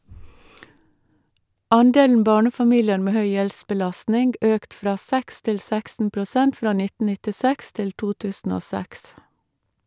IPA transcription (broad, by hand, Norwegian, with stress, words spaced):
ˈɑnˌdeːln̩ ˈbɑːɳəfɑˌmiːlɪəɾ ˈmeː ˈhœʏ ˈjɛlsbəˌlɑsnɪŋɡ ˈøːkt ˈfɾɑː ˈsɛks ˈtɪl ˈsɛksn̩ pɾʊˈsɛnt ˈfɾɑː ˈnɪtn̩ nɪtɪˈsɛks ˈtɪl ˈtuː ˈtʉːsn̩ ˈoː ˈsɛks